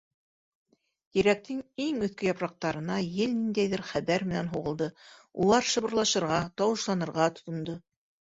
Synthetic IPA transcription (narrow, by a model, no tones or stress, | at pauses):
t̪iɾæk̚t̪ʰɘŋiŋɵ̆θkɘjɑpɾɑq̚t̪ɑɾɤ̆nɑjɘlnind̪æjðɘɾχæβæɾmɘ̆nænɦuʁɤ̆lˠd̪ɤulˠɑɾʃɤ̆βɤ̆ɾlˠɑʃɤ̆ɾʁɑt̪ɑwɤ̆ʃlˠɑnɤ̆ɾʁɑt̪ŏt̪ŏnd̪ɤ